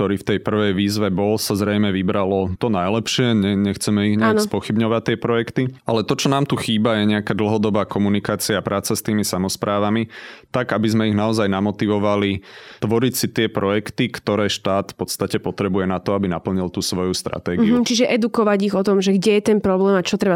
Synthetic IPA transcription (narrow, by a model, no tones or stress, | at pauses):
t̪ɔɾiːft̪ɛjpr̩ʋɛjʋiːzʋɛbɔlsazɾɛjmɛʋibɾalɔt̪ɔnajlɛpʃɪɛɲɛɲɛxt͡sɛmɛiɣɲɛanspɔxibɲɔʋact̪ːɪɛpɾɔjɛkt̪ialɛt̪ɔt͡ʃɔnaːmt̪uxiːbajɛɲɛakaːd̪l̩ɦɔd̪ɔbaːkɔmunikaːt͡siapɾʔaːt͡sast̪iːmisamɔspɾʔaːʋamit̪aɡabizmɛiɣnaɔzajnamɔt̪iʋɔʋalit̪ʋɔɾicsit̪ɪɛpɾɔjɛkt̪ikt̪ɔɾɛːʃt̪aːt̪fpɔt̪st̪acɛpɔt̪ɾɛbujɛnat̪ɔabinapl̩ɲilt̪usʋɔjust̪ɾa̰t̪ɛːɡiut͡ʃiʒɛʔɛd̪ukɔʋaɟiɣɔt̪ɔmʒɛɡɟɛjɛt̪ɛnpɾɔblɛːmat͡ʃɔt̪ɾɛba